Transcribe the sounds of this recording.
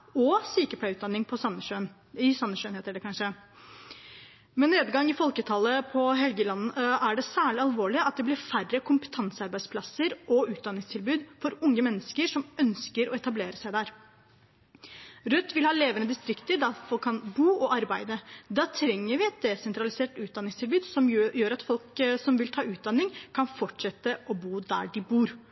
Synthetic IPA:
ɔsiːkəpʰlæʉːt̪d̪ɑnːɪŋpʰɔsɑnəøn | ɪsɑnːəʂøːnheːt̪əɖɛkʰɑnʂə | mɛnːeːd̪ɡɑŋːɪfɔlkət̪ʰɑlːəpʰɔɦɛlɡəlɑnːəæɖɛsæːɭɪɑlʋoːɭɪɑt̪̚d̪ɛblɪɾfærəkʰʊmpə̥t̪ʰɑnsəɑɾbæɪd̪spʰlɑsəɾʔɔʉːt̪̚d̪ɑnːɪŋst̪ʰɪlbʉːd̪fɔɾʊŋːəmɛnːəskəɾʂɔmœnskəɾɔɛt̪ɑbleːɾəsæɪd̪æɾ | ɾʉt̪ːʋɪlhɑːleːʋənəd̪ɪst̪ɾɪkt̪əɖɑfɔlkʰːɑnbuːɔʔɑɾbæɪd̪əd̪ɑːt̪ʰɾɛŋːəɾʋɪɛt̪̚d̪ɛsɛnt̪ɾɑlɪseːʈʉːd̪ɑnːɪŋst̪ʰɪlbʉːd̪sɔmjøːɾɑt̪fɔlksɔmʋɪlt̪ʰɑːʉːt̪̚d̪ɑnːɪŋkʰɑnfɔʈʂɛt̪ːəʔɔbuːd̪æ̰ɖɪbuːɾ

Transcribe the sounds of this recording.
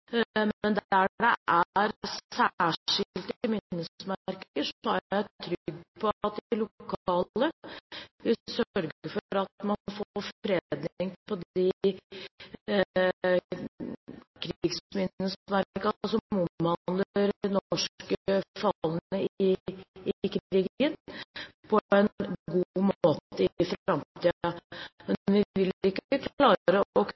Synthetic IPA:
mɛnd̪æɖɛʔæɾæːʂɪlt̪ɪmɪnːəsmæɾkəʂhɑɾæt̪ʰɾʏɡːpʰɔt̪̚d̪ɪlʊkʰɑːlə | ʋɪsœɾɡəɾfɔɾɑt̪mɑnfofɾed̪nɪŋpʰɔd̪ɪ | kʰɾɡsmɪnːəsmæɾkkɑɑsɔmʊmhɑnləəɾnɔʂkəfɑlːənə | kʰɾɾiːɡənpʰɔɛnɡumoːt̪əɪfɾɑmt̪iːɑmɛnʋɪʋɪlɪkːəːəkʰllɑːɾəɔk

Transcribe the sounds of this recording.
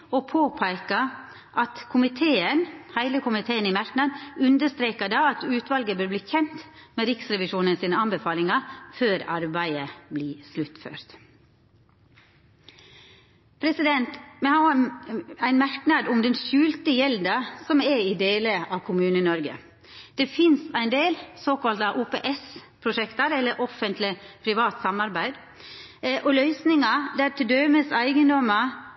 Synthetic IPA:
ɔpʰoːpʰæɪkə | ʔɑt̪kʰʊmɪt̪ʰeːənhæɪləkʰʊmɪt̪ʰeːənɪmæɾknɑd̪ʉnd̪əʂt̪ɾeːkəd̪ɑːɑt̪ʉːt̪ʋɑlɡəbøɾbliːçɛnt̪meːɾɪksɾɛʋɪʃuːnənsiːnəɑnbəfɑːlɪŋɑføːɾɑɾbæɪəbliːslʉt̪fø̰ːɾt̪ | pʰɾɛsɪd̪ɛnt̪mɛhɑː | æɪnmæɾknɑd̪ʊmd̪ɛnʃʉːlt̪əjɛld̪ɑsɔmɛid̪eːləʔɑːʋkʰʊmʉːnənɔɾɡə̰ | d̪̥ɛfɪnsæɪnd̪eːlsoːkɑlt̪ɑʔuːpeːʔɛspʰɾʊʃɛkt̪ɑɾɛlːəɾʔɔfənt̪lɪpʰɾɪʋɑːt̪sɑmɑɾbæɪd̪ | ʔɔlœʏsnɪŋɑd̪æɾt̪ɪd̪œːməsæɪɡənd̪ɔmɑ

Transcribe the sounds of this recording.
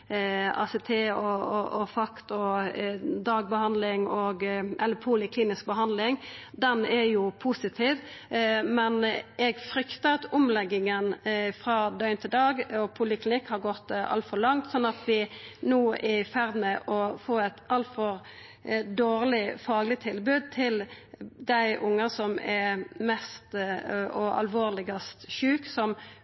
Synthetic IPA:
ɑ̰sɛt̪ʰeːɔɔfɑkt̪ɔ | d̪ɑːɡ̚bəhɑnd̪lɪŋɔɡʔɛlːəpʰuːlɪkʰliːnɪsk̚bəɦɑnd̪lɪŋd̪ɛnɛjʊpʰusɪt̪ʰiːʋ | mɛnɛɡfɾʏkt̪əɑt̪ʊmlɛɡːɪŋənfɾɑːd̪œʏnt̪ʰɪld̪ɑːɡɔpʰʊlɪklɪnɪkhɑɾɡɔt̪ːɑ̰lt̪fɔɾlɑŋt̪sɔnːɑt̪ʋɪnuːʔɛɪfæʁd̪mɛʔɔfoːɛt̪ʔɑlt̪fɔɾ | d̪oːɾlɪfɑːɡlɪt̪ʰɪlbʉːd̪̚t̪ʰɪld̪æɪʔʊŋːəsɔmɛmɛst̪ɔɑ̰lʋoːʁlɪɡɑst̪ʃʉːksɔm

